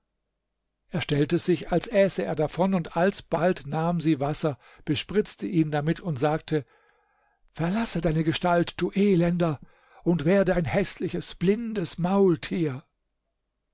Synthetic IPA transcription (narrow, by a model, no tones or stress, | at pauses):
ʔeːɐʃtɛltəzɪçalsʔɛːsəḛːɐdafɔnʊntalsb̥altnaːmziːvasɐ | b̥əʃpʁɪt͡stʰəʔiːndamɪtʰʊntz̥aːk̚tʰə | fɛɐlasədaɪnəɡəʃtaltd̥uːʔeːlɛndɐ | ʔʊntv̥ɛːɐdəaɪnhɛslɪçəsb̥lɪndəsmaʊltʰiːɐ